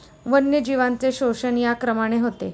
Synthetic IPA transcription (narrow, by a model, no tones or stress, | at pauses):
ʋənjəd͡ʑiʋant͡seɕoʂənjakɾəmaɽ̃eɦot̪ḛ